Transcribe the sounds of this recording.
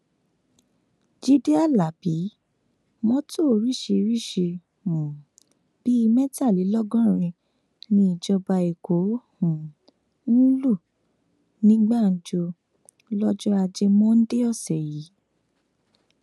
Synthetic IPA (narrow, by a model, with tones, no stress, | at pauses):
d͡ʒi˦de˦a˦˨la˨bi˨˦ | mɔ̃˦tʰo˦˨ɾi˦˨ʃe˧ɾi˦ʃe˧ | ũ˨ | b̥i˦i˧mɛ̃˦ta˦˨li˨˦lɔ˦ɡɔ̃˦ɾ̃ĩ˧ | nĩ˧˦i˨d͡ʒɔ˧ba˧e˨ko˨˦hũ˨˦ | ũ˦lu˦˨ | nĩ˦ɡ͡ba˦˨n̩˨d͡ʒo˧ | lɔ˦d͡ʒɔ˦a˧d͡ʒe˧mɔ̃˦n̩˦de˦ɔ˦˨sɛ˨ji˨˦